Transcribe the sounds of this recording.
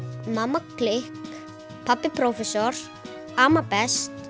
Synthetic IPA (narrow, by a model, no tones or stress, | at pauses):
mamːaklɪhk | pʰapːɪpʰɾowfɛsɔɾ̥ | aːmapɛst̪